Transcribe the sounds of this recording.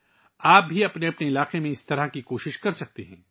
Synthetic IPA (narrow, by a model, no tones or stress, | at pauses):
aːp̚bʱiɐpneɐpneɪlaːqemẽɪst̪ɐɾakikoːʃɪʃkɐɾsɐk̚t̪eɦɛ̰̃ː